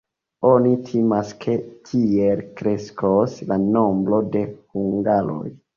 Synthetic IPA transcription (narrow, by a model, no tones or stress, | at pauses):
o̞nitʰimaskʰe̞kʰielkɾe̞skoslano̞mbɾo̞de̞huŋɡaɾo̰j